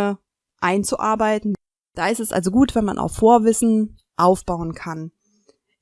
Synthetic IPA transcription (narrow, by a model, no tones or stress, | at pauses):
ə | ʔaɪnt͡suʔaɐbaɪtn̩ | d̥aːɪstɛsʔa̰lzoɡuːtv̥ɛnma̰nʔa̰ʊfːoːɐvɪsn̩ | ʔaʊfb̥aʊənkʰan